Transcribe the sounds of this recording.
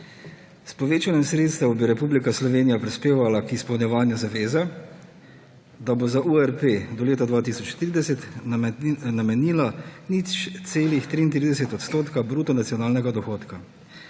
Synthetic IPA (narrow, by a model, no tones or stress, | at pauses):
spɔʋeːt͡ʃanjɛmsɾeːt̪st̪ɛwbiɾɛpublikaslɔʋeːnijapɾispeːʋalakispɛwnʲjɛʋaːnjuzaʋeːza | d̪abozaʔuɛɾped̪ɔleːt̪ad̪ʋaːt̪isɔt͡ʃt̪ɾid̪ɛsɛt̪ | namɛniːlanit͡ʃt̪seːlixt̪ɾiːnt̪̬ɾiːd̪ɛsɛt̪ɔt̪st̪oːt̪kabɾuːt̪ɔnat̪sijɔnaːlnɛɡad̪ɔxoːt̪ka